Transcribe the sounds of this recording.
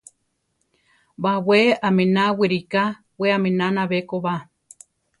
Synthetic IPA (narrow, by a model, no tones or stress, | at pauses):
bawʷeamẽnãwiɾika | weamẽnãnãβekoβa